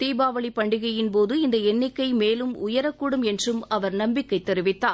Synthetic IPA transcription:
t̪iːbaːʋɐɭipːɐɳɖɪɣɐjɪnpoːðɯɪnd̪ɐɛnːɪkːɐɪmeːlɯmʊjɐɾɐkːuːɽɯmɛndrɯmɐʋɐɾnɐmbɪkːɐɪt̪ːɛɾɪʋɪt̪ːaː

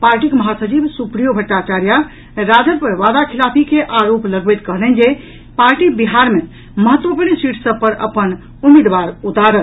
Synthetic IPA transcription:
paɾʈikməɦasət͡ʃibsupɾijobʱəʈːat͡ʃaɾja | ɾad͡ʒəɾpəɾʋad̪akʰilapʰikeʔaɾopləɡbəjt̪kəɦlɛnd͡ʒe | paɾʈibiɦaɾme | məɦət̪ːʋəpəɾnsiʈʰsəb̚pəɾə̰pən | umid̪ʋaɾud̪aɾən

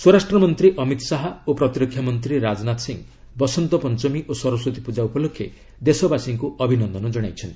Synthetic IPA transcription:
swoɾasʈɾɔmɔnt̪ɾiʔɔmit̪saɦaopɾɔt̪iɾɔkʰːjamɔnt̪ɾiɾad͡ʒnat̪siŋ | bɔsɔnt̪ɔpɔnt͡ʃɔmiʔosɔɾɔsɾot̪ipud͡ʒaupɔlokʰje | d̪esɔbasiŋkuɔbʱinɔnd̪ɔnɔd͡ʒɔɽ̃ajt͡ʃʰɔnt̪

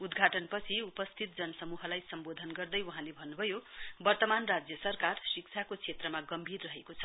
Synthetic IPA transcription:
ud̪ɡʱaʈʌnpʌt͡sʰiupʌst̪ʰit̪̚d͡zʌnʌsʌmuɦʌlajsʌmbod̪ʱʌnɡʌrd̪ʌjwuɦãlebʱʌnːubʱʌjobʌrt̪ʌmanrad͡zjʌsʌrkarsik̚t͡sʰakot͡sʰet̪rʌmaɡʌmbʱirːʌɦekot͡sʰʌ̥

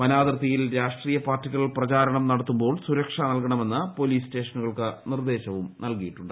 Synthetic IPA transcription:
ʋɐnaːd̪rɐt̪ːijilɾaːʂʈriːjɐpaːrtːikʲːɐɭprɐt͡ɕaːɾɐɳɐmnɐɽɐt̪ːumbo̞ːɭsuɾɐkʂɐnɐlkɐɳɐme̞nːɨpo̞liːste̞ːʂɐnuɣɐɭkɨnird̪e̞ːɕɐʋumnɐlkijiʈːuɳɖɨ

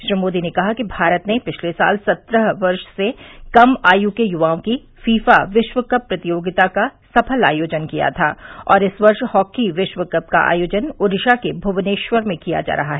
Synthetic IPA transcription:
ʃɾimoːd̪inekɐɦakibʱaːɾət̪nepɪt͡ʃʰlesa̰ːlsɐt̪ɾəɦʋɐɾʃsekɐmaːjuːkejʊʋaːõki | fiːfaʋɪʃʋəkɐpːɾɐt̪ijoːɡɪt̪akasɐpʰəla̰ːjoːd͡ʒənkija̰t̪ʰaːɔ̰ːɾɪsʋɐɾʃhɔːkiʋɪʃwəkɐp̚ka̰ʔa̰ːjoːd͡ʒənʊɾɪʃakebʱʊʋneːʃʋəɾmẽkija̰d͡ʒa̰ːɾɐɦaɦɛː

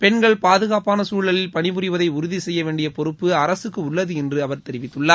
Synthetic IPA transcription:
pɛɳɡɐɭpaːðɯɣaːpaːnɐsuːɭɐlɪlpɐɳɪmɯrɪʋɐðɐɪʊɾʊðisɛjːɐʋeːɳɖɪjɐpɔɾɯpːɯɐɾɐsɯkːɯʊɭːɐðɯɛndrɯɐʋɐɾt̪ɛɾɪʋɪt̪ːɯɭːaːɾ

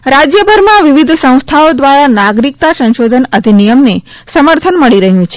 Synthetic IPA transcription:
ɾad͡ʒjəbʱəɾmãʋiʋid̪ʱsə̃w̃st̪ʰaod̪ʋaɾanaɡɾik̚t̪asə̃nʃod̪ʱənəd̪ʱinijəmne | səməɾt̪ʰənməɭiɾəɦjũt͡ʃʰe̥

